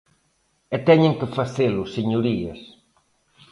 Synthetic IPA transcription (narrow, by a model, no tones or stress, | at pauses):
et̪ɛɲeŋkɪfaθelʊseɲoɾiɐ̰s